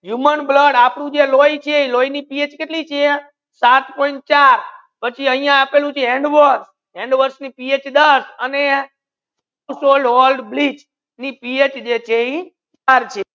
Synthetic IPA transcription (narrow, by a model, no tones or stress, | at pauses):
ɦjumənbləɽapɽũd͡ʒelojt͡ʃʰeiloinipiet͡ʃkeʈlit͡ʃʰe | sat̪pɔiɳʈ̚t͡ʃaɾ | pət͡ʃʰiəɦijãːpelũt͡ʃʰeeɳɖʋəɾs | eɳɖʋəɾsnipiet͡ʃd̪əsəne | usolɖʋolɖblit͡ʃ | nipiet͡ʃd͡ʒet͡ʃʰei | t͡ʃaɾt͡ʃʰe